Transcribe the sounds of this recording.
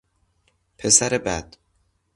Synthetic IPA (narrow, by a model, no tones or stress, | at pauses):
pʰesæɾebæd̪̥